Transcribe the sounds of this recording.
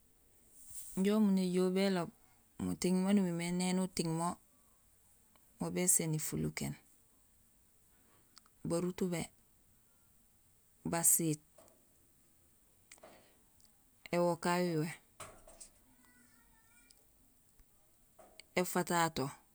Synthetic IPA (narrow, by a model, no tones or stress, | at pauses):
ɲɟomuneɟobelob̚ | mutiŋmonuwimenenutiŋmo | mobesenifuluken | baɾutube | basit̚ | ewokawuwe | efatato